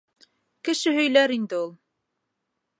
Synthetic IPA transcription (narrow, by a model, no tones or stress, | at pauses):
kɘ̆ʃɘɦɵ̆jlæɾind̪ɘulˠ